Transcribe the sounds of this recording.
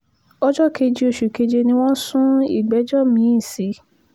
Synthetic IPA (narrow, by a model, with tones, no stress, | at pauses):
ɔ˦d͡ʒɔ˦ke˧d͡ʒe˧o˧ʃu˨ke˧d͡ʒe˧nĩ˧w̃ɔ̃˦sũ˦ḭ˦˨ɡ͡bɛ˨˦d͡ʒɔ˦˨mĩ˨˦i˦˨si˨˦